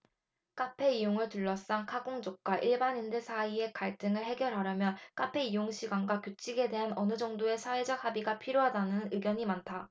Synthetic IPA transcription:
k͈apʰe̞ijoŋɯɭtuɭːʌs͈aŋkʰaɡoŋd͡ʑok̚k͈waʔiɭbanindesʰaie̞kaɭt͈ɯŋɯɭɦe̞ɡjʌɾɦaɾjʌmjʌnk͈apʰe̞ijoŋɕʰiɡwanɡwakjut͡ɕʰiɡe̞de̞ɦanʌnɯd͡ʑʌŋdoe̞sʰaed͡ʑak̚habiɡapʰiɾjoɦadanɯnɯɡjʌɲimantʰa

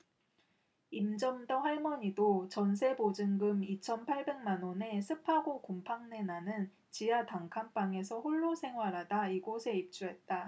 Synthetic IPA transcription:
imd͡ʑʌmdʌɸwaɭmʌɲidot͡ɕʌns̬ʰe̞bod͡ʑɯŋɡɯmit͡ɕʰʌnpʰaɭbe̞ŋmanone̞sʰɯpʰaɡokompʰaŋne̞nanɯn | t͡ɕijataŋkʰanp͈aŋe̞sʰʌɸoɭːosʰe̞ŋwaɾadaiɡosʰe̞ip̚t͡ɕ͈uɦe̞t̚t͈a

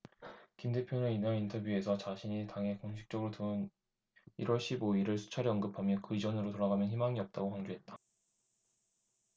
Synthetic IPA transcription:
kinde̞pʰjonɯninaɾintʰʌbjue̞sʰʌt͡ɕaɕʰiɲitaŋɦe̞koŋɕʰi̥k̚t͡ɕ͈ʌɡɯɾoton | ḭɾwʌɭɕ͈ʰiboiɾɯɭsʰu̥t͡ɕʰaɾiʌnɡɯpʰamjʌkɯid͡ʑʌnɯɾotoɾaɡamjʌnɦimaŋiʌp̚t͈aɡokaŋd͡ʑoɦe̞t̚t͈ḁ

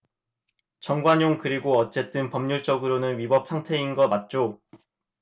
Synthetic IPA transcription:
t͡ɕʌŋɡwaɲoŋkɯɾiɡoʌt͡ɕ͈e̞t͈ɯnpʌmɲuɭt͡ɕ͈ʌɡɯɾonɯnɥibʌp̚sʰaŋtʰe̞inɡʌmat̚t͡ɕ͈o

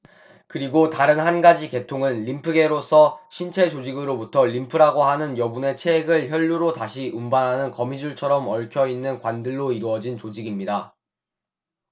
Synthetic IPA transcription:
kɯɾiɡotaɾɯnɦanɡad͡ʑike̞tʰoŋɯnʎimpʰɯɡe̞ɾosʰʌɕʰint͡ɕʰe̞d͡ʑod͡ʑiɡɯɾobutʰʌʎimpʰɯɾaɡoɦanɯnjʌbune̞t͡ɕʰeɡɯɭçjʌʎːuɾotaɕʰiʔumbanɦanɯnkʌmid͡ʑuɭt͡ɕʰʌɾʌmʌɭkʰjʌinːɯnkwandɯɭːoiɾuʌd͡ʑint͡ɕod͡ʑiɡimɲida

